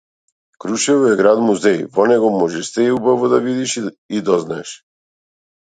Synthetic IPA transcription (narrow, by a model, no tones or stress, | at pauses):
kɾuʃɛvɔɛɡɾad̪muzɛjvɔnɛɡɔmɔʒɛʃst̪ɛubavɔd̪avid̪iʃ | id̪ɔznaɛʃ